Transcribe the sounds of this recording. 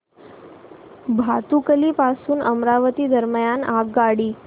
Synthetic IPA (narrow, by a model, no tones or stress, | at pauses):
bʱat̪ukəliːpasuːnʔəmɾaʋət̪iːd̪əɾməjanaɡɡaɽiː